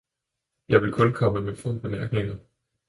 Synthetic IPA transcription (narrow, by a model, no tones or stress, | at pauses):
jɑ̈ɪʋe̝lkʰɔ̽nkʰɒ̽məmefɔn̰b̥e̝mæɐɡ̥ne̝ŋɐ